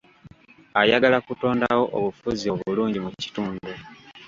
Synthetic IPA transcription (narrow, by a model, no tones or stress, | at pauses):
ajaɡalakuto̞ːndawo̞ʔo̰βufuzio̞βuluːɲɟimuci̥tuːnddu